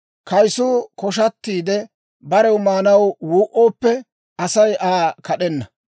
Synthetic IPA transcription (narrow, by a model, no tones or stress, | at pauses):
kɐjsuːkɔʃ̬ɐt̪ːiːd̪ɛ | bɐɾɛwmaːnɐwwuːʔoːpːɛ | ɐsɐjʔaːkʰɐɗɛnːɐ